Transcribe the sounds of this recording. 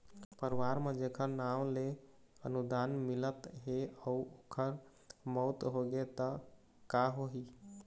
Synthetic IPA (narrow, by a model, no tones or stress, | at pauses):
pəɾʋaɾmẽd͡ʒekʰəɾnawle | ənud̪aːnmɪlət̪ɦeəuokʰəɾ | mɔːt̪ɦoɡet̪ə | kaɦoɦi